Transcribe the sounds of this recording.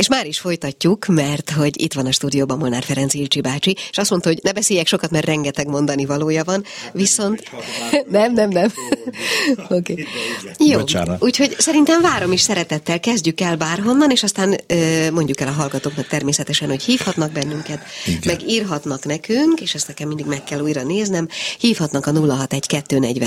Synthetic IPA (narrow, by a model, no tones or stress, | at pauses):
eːʃmaːɾiʃfo̞jt̪ɒcːukmɛrt̪ɦo̞ɟḭt̪ʋɒnɒʃt̪uːd̪ijoːbɒmːolnaːrfɛɾɛnsilt͡ʃibaːt͡ʃieːʃɒst̪mot̪ɒɦoɟnɛbɛseːjːɛkʃo̞kɒt̪mɛrrɛŋɡɛt̪ɛɡmo̞nd̪ɒnivɒloːjɒvɒnviso̞nt̪nɛmnɛmnɛm | okeːjoːuːcho̞ɟsɛɾint̪ɛɱvaːɾo̞miʃsɛɾɛt̪ɛt̪ːɛlkɛzɟykɛlbaːrɦo̞nːɒneːʃɒst̪aːnøːmo̞ɲɟukɛlɒɦɒlɡɒt̪oːknɒk̚t̪ɛrmeːsɛt̪ɛʃɛnho̞chiːfhɒt̪nɒɡ̚bɛnːyŋkɛt̪mɛɡiːrɦɒt̪nɒknɛkyŋkeːʃɛst̪nɛkɛmːind̪iɡmɛkːɛlːuːjɾɒneːznɛmhiːfhɒt̪nɒkɒnulːɒɦɒt̪ɛɟkɛt̪ːøːnɛ̰ɟvɛ̰